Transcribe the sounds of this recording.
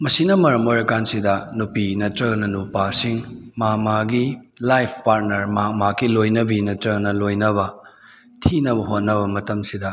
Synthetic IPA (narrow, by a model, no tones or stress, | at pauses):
mɐsinɐmɐɾɐmoɾɐkansidɐnupinɐtɾɐnɐnupasiŋmamaɡi | lajpʰpaɾnɐɾmamakilojnɐbinɐtɾɐnɐlojnɐβɐ | tʰinɐbɐɦot̚nɐβɐmɐtɐmsidɐ